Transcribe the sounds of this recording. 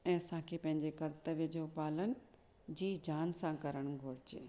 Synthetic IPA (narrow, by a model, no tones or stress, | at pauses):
ɛ̃ːsãːkʰeːpɐ̃ɦɪ̃ɲd͡ʑekɐɾt̪əʋjəd͡ʑʱopaːlənɪ̆ | d͡ʑiːd͡ʑaːnsãkɐɾəɽ̃ɡʱoːɽ̤ɪt͡ɕeː